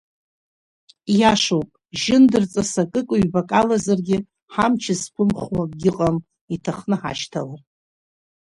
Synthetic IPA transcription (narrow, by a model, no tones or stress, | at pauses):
jaʂowpʼʒɪndɨrt͡sʼasakʼɨkʼɨɥbakʼalazarɡʲɪ | ħamt͡ʃʰɪzkʷʰʊmχwaɡʲɪqʼam | itʰaχnɨħa̰ʃtʰa̰la